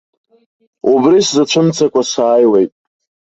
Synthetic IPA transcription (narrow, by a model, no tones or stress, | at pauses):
ubriszat͡ʃʷʰɨmt͡sʰakʷasaːjle̞jtʼ